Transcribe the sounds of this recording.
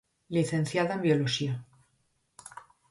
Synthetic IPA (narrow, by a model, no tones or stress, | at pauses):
liθẽnθjaðaembjoloʃia